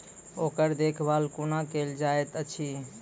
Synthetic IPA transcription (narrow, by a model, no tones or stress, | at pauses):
okəɾd̪ekʰbʱalkunakeld͡ʒaet̪ət͡ʃʰi